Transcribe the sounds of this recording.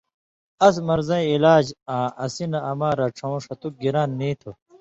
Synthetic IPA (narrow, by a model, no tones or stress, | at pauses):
ɐs̬mɐɾzɐ̃ĩilaːd͡ʑãːɐsinɐɐmaːɾɐʈ͡ʂʰõwʂɐt̪uk̚ɡiɾaːnːiːt̪ʰo